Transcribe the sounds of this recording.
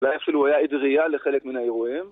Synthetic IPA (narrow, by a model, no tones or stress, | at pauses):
lajefʃiluwajaid̪ʁijaleχelekminhaeʁujim